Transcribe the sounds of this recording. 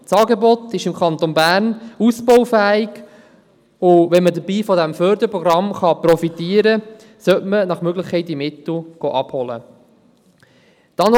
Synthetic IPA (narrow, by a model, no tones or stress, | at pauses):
sɑːɡebɔt̪ɪʃɪmkʰɑnt̪onbæːɾnuspɔʊfæːɪɡ | ʊʋɛnmədəɾbiːfɔdæmfœːɾd̪əɾpɾɔɡɾɑmχɑprɔfit̪iːəɾə | sœtmənɑχmøɡləχkʰɛɪt̚imɪt̪l̩ɡ̥oʔɑbhɔlə̰ | t̪ɑn